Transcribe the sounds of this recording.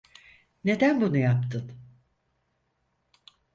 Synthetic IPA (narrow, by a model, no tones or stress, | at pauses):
ne̞d̪ænbunujapt̪ʰɯn